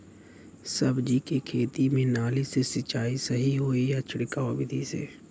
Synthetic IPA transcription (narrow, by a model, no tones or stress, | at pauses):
səbd͡ʒikekʰeːt̪imẽnaːlisesɪt͡ʃaːisɐɦiɦoːijat͡ʃʰɪɽɪkaobɪd̪ʱisḛː